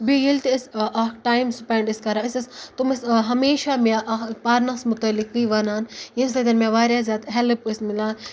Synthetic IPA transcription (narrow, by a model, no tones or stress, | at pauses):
bijilt̪ɪsakʈaːjmspɐɳɖɪskɐɾaɪsɐst̪umɐsɦɐmeːʃamaʔpaːɾnasmʊt̪ɐlːikːiʋɐnaːnjinslɐt̪ɐnmãʋaːɾjazʲjaːt̪ɦɛlpːsmɪlaːn